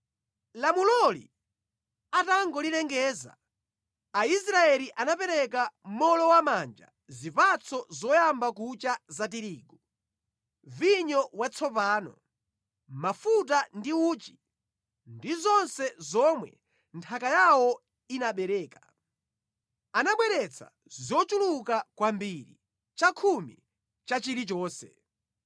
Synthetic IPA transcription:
lamulɔlḭ | ataŋɡɔlilɛŋɡɛːza̰ | aisɾaɛliʔanapɛɾɛkam̩mɔlɔwamaːnd͡ʒa̰ | zipat͡sʰɔzɔjambak̬ut͡ʃazatiɾiːɡɔ | viɲɔwat͡sʰɔpaːnɔ̰ | mafutandiuːt͡ʃi̥ | ndizɔnsɛzɔmwɛ̰ | ntʰakajawɔ | inaɓɛɾɛːka | anaɓwɛɾɛt͡sʰa̰ | zɔt͡ʃulukakwambiɾḭ | t͡ʃakʰumḭ | t͡ʃat͡ʃiɾit͡ʃɔːsɛ̰

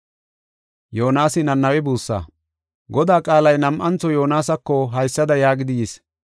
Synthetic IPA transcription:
joːnaːsɪnɐnːɐwɛbuːsːa̰ː | ɡɔd̪aːkʼaːlɐjnɐmʔɐnt͡sːɔjoːnaːsɐkːɔɦɐjsːɐd̪ɐjaːɡɪd̪ɪjis

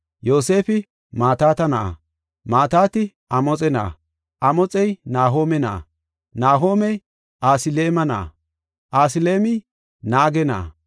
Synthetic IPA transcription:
jo̞ːse̞ːfɪ | maːt̪aːt̪ɐnɐʔa̰ | maːt̪aːt̪ɪ | ɐmɔt͡sʼɛna̰ː | ʔɐmɔt͡sʼɛjnaːɦo̞ːmɛna̰ː | naːɦo̞ːmɛj | ʔaːsɪleːmɐna̰ː | ʔaːsɪle̞ːmɪ | naːɡɛna̰ː

